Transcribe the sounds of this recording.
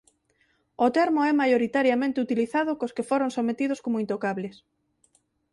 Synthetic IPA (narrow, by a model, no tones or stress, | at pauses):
ot̪ɛɾmoɛmajoɾit̪aɾjamẽnt̪ɪut̪iliθaðʊkoskefoɾoŋsomet̪iðʊskomoint̪okaβlɪs